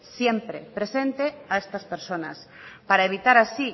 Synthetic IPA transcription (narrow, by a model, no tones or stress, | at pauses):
sjempɾepɾesẽnt̪eaest̪ɐspeɾsonɐ̰spaɾaeβit̪aɾasi